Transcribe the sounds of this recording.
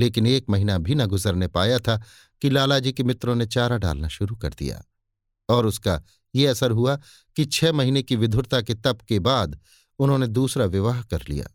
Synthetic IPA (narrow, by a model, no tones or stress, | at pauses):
leːkɪneːkmɐɦiːnabʱinɐɡʊzəɾnepaːjat̪ʰa | kilaːlad͡ʒikemɪt̪ɾõnet͡ʃaːɾaɖa̰ːlnaʃʊɾukɐ̰ɾd̪ḭja̰ː | ɔːɾʊska̰ | jeɐsəɾɦua | kit͡ʃʰɛːmɐɦiːnekiʋɪd̪ʱʊɾt̪aket̪ɐpkebaːd̪ | ʊnɦõned̪uːsɾaʋɪʋaːɦkɐɾlḭja̰ː